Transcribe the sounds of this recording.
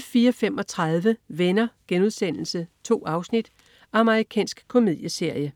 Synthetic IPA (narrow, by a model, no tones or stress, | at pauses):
fiːɐfemɒ̽t͡sʰʁɑð̞ˠʋəʋenɐɡ̥enuð̞ˠsen̰l̩sət͡sʰo̝̰ːɑ̈ʊsnid̥ | ʔɑ̈məʁikʰɛ̰ːnsɡ̥kʰo̝mið̰ˠjəse̝ɐ̰jə